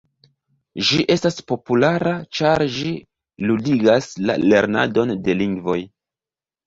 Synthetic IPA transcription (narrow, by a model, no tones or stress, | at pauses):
ʒiʔe̞staspo̞pulaɾat͡ʃaɾʒi | ludiɡasla̰le̞ɾna̰do̞nde̞liŋɡvo̞j